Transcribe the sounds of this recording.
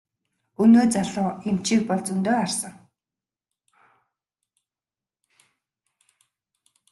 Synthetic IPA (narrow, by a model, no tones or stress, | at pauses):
ɵnoːt͡saɮʊem̥t͡ɕik̚pɔɮt͡sɵnt̪oːarsə̆ŋ